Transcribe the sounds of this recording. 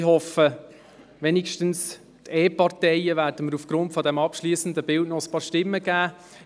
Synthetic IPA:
ɦɔfə | ʋɛnikʃtəns | tʰeːpɑrtɛɪəvæːɾd̥əməɾufɡ̥ɾʊntfɔd̪ɛmɑpʃliːsən̩d̪əbɪltnɔəspɑːɾʃtɪmːəɡ̥æː

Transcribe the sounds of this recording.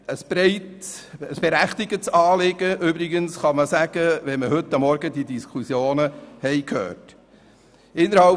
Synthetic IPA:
əsb̥ɾɛɪtəsb̥eɾæχt̪ɪɡətsɑːlɪɡ̥əʔyːbɾɪɡənsχɑməsæɡ̥əʋɛnməɦɵtːɑmːɔɾɡədidiskʰusjoːnəhɛɪkʰhø̰ːt | ɪnːəɾhɑl

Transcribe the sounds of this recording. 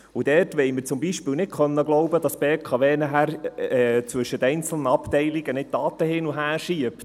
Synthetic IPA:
ud̥ɛrtʋɛɪməɾt͡sʊmbiʃpiːlnɪt̚kʰœnːəɡlɔʊbəd̥ɑsb̥eːkʰɑʋeːnəɦæːɾɛt͡sʋɵʃətɛɪnt͡sl̩nəɑptɛɪliɡ̥ənɪt̚d̥ɑːt̪əhɪnuɦæːɾʃiəpt

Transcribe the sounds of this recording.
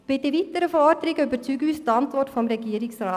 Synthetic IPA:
b̥ɪtːəvitəɾəfɔːdəɾɪɡəøbəɾt͡syːɡyːstɑntvɔrtfɔmɾɛɡiəɾɪksrɑː

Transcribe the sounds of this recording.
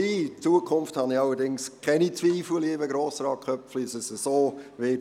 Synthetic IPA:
it͡suəkʰʊnfthɑniɑlːədɪŋskʰɛnit͡sʋiːfləlivəɡɾoːsɾɑːkχœpfliɪsəsəsoːʋɪː

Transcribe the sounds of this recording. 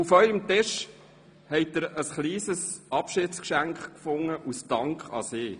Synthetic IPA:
ufœʏəmt̪ɪʃ | hɛɪt̚d̥əɾəsχliːsəsɑpʃɪːtskʃæŋkχkfʊŋːəʔustɑŋkχɑ̰seː

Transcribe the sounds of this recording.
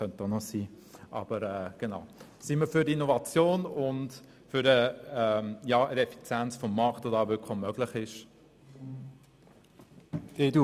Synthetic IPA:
œnt̪onɔsiː | ʔɑ̰b̥əɾɛːɡ̥enaʊsiməfyɾdinɔvɑt͡sjoːnʊnt | fʏɾəɛmjɑːədɛfi̥t͡sjɛnt͡sfɔmːɑχtodɑːvʏkχomœɡlɪχɪʃ | edu

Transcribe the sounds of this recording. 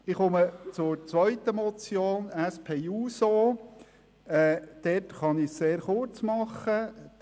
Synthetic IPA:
ɪχʊmət͡sʊɾt͡sʋœʏtəmɔt͡sjoːnæspʰeːuːsoː | ɛːd̥ɛtχɑnɪsseːɾχʊɾt͡smɑχːə

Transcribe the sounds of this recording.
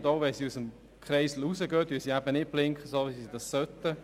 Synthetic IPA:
doːʋɛsiusəm | kχɾɛɪsl̩usəɡøːt̪̚dyːsiæbənɪt̚b̥lɪŋkχəsoːvisidɑsːœtːə

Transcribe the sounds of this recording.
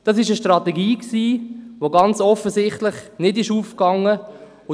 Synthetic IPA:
d̥ɑs̬ɪʃəʃtrɑtɛɡiːksiːvoɡɑnt͡sɔfəzɪχtlɪχnɪdɪʃuːfkɑŋːə | ʊ

